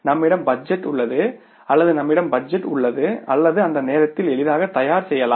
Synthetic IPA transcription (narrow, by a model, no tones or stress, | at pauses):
nɐmːɪɽɐmbɐd͡ʒɛʈːʊɭːɐðɯ | ɐlːɐðɯnɐmːɪɽɐmbɐd͡ʒɛʈːʊ̰ɭːɐðɯɐlːɐðɯɐnd̪ɐneːɾɐt̪ːɪlɛɭɪðaːɣɐt̪ːɐjaːɾsɛjːɐlaː